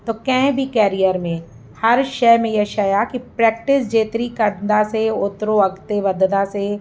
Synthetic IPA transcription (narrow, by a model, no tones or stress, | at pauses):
t̪oːkɛ̃ɦbʱikɛːɾijəɾmẽ | hɐɾʃɛːmẽjɛʃɐjakipɾɛːk̚ʈɪsd͡ʒeːt̪ɾikɐɾd̪aseʊt̪ɾoɐɡt̪eʋɐd̪d̪ase